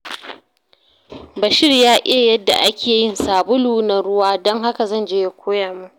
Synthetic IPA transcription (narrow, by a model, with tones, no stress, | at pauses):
bɐ˨ʃɪ˦rjaː˦ʔe˦˨jɐ˦dːa̰˨ʔa˦kʲʰeː˨jɪ˦˨nsaː˨bʊ˦luː˦nɐ˨ɽʊ˦waː˦dɔ˦ŋɦa˦ka˨zɐ˦nd͡ʒeː˦je˨kʷʰoː˦jaː˨mu˦ʔ